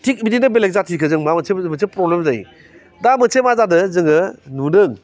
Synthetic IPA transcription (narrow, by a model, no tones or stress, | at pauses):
tʰik̚bidinɯbelek̚zatʰikʰɯzɯŋmamɐsemɐsʰepɾɔblemzaj | damɯsʰemazadɯzɯŋɯnudɯŋ